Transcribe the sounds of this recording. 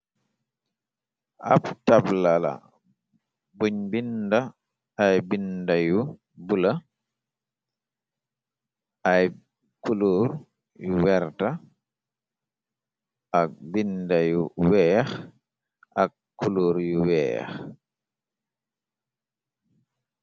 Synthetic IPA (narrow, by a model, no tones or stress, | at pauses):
ʔa̰ptablala̰ | buɲbindaː | jbindaju | bula | ʔaj | kuloɾ | juwɛɾta | ʔak̚bindajuwɛx | ʔak | kːuloːɾjuwɛ̰x